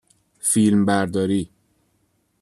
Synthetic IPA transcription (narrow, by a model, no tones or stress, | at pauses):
filmbæɾd̪ɒɾiː